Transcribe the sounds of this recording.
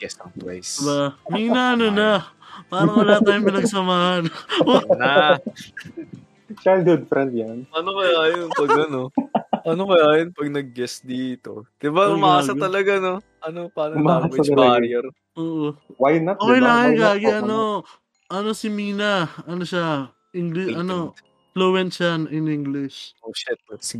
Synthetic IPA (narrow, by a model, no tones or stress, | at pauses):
ɡ̥ɛst̪ɐŋpa̰jsbamiːnɐʔɐno̞nɐ | paːɾɐŋwɐlat̪aːjomɪnɐɡ̚sɐmaːhɐnna | t͡ʃajld̪hod̪̚fɾɛnd̪̚janʔɐnokɐjaʔɐjonŋpɐɡɐno̞ʔɐnokɐjajonpɐɡ̚nɐɡ̚ɡɛsd̪iːt̪o̞̰d̪̥ɪbaʔʊmaaːsɐt̪ɐlɐɡano̞ | ʔɐnopaːnɐmaawɛɐt͡ʃbaɾjɛɾ | ʔoːʔowajnaoːkejlaːŋɐnkaːɡɪʔɐno̞ | ʔɐno̞sɪmiːnɐʔɐnoʃa | ʔiŋɡlɪɐno̞ | flowɛnt͡ʃanʔɪniŋɡlɪʃoʃɪt̪̚s